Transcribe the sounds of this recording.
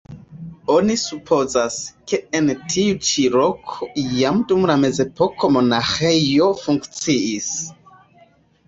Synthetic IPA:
onisupʰo̞zaske̞entʰiut͡ʃilokʰoijamdumlame̞ze̞pʰokʰo̞mo̞naxejo̞fuŋkt͡siʔis

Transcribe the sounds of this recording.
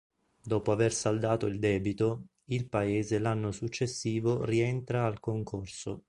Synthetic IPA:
d̪ɔːpoaversald̪aːt̪oild̪ɛːbit̪o | ilpaeːzelanːosut͡ʃːesːiːvoriɛnt̪ɾaːlkoŋkʰorso̰

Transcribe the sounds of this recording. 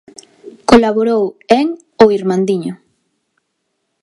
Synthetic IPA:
kolaβoɾoweŋ | oiɾmãnd̪iɲo

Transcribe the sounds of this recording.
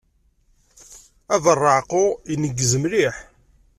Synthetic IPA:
ævərˤːəʕqʊinəɡːəzəmɾiħ

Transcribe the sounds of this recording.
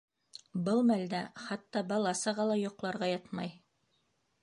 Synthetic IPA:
bɤlˠmæld̪æχɑt̪ːɑbɑlˠɑsɑʁɑlˠɑjŏqlˠɑɾʁɑjɑt̪mɑj

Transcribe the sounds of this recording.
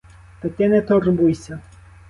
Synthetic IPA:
t̪ɐkʲɪnɛt̪ɔrbujsʲɐ

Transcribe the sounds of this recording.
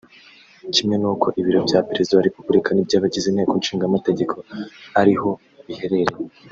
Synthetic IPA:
cime̞nuːkʰo̞ʔiβiɾo̞bɟaːpeɾe̞zidaaɾepubuɾikʰanibɟaːβaɟiziːnhe̞ːkonʃiːŋɡamate̞ɟe̞kʰo̞haɾiho̞ | βihe̞ɾe̞ɾe̞

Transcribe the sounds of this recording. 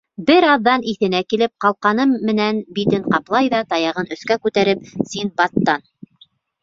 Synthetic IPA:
bɘɾɑðːɑniθɘ̆nækilɘp̚qɑlˠqɑnɤmːɘ̆nænbit̪ɘɴqɑplˠɑjðɑt̪ɑjɑʁɤnɵ̆θkækʉt̪æɾɘp̚sinbɑt̪ːɑn

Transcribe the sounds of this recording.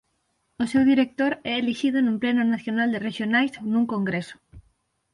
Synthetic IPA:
osewðiɾek̚t̪oɾɛeliʃiðonũmplɛnʊnaθjonald̪ereʃjonajsonuŋkoŋɡɾesʊ̥

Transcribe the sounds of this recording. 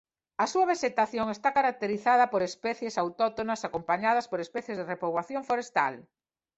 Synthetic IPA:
ɐsuaβ̞eʃet̪aθjoŋest̪akaɾak̚t̪eɾiθað̞ɐpoɾespɛθjesawt̪ɔt̪onɐsakompaɲaðɐspoɾespɛθjezðerepoβwaθjoŋfoɾest̪a̰l

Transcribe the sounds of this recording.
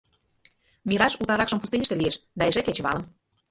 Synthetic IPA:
mʲiɾɑʃut̪ɑɾɑkʃɤ̆mpust̪enʲəʃt̪elieʃd̪ɑeʒeket͡ɕβɑ̰lə̆m

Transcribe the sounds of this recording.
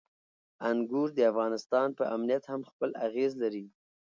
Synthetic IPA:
aŋɡuɾd̪əafɣɑnɪst̪ɑnpəʔamnijat̪hamxpəlaɣezlaɾi

